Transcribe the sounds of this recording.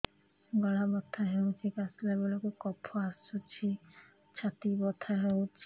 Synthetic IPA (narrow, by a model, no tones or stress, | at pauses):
ɡɔɽabɔt̪ʰːaɦewt͡ʃʰikaslabelokekɔpʰoasut͡ʃʰi | t͡ʃʰat̪ibɔt̪ʰaɦewt͡ʃʰi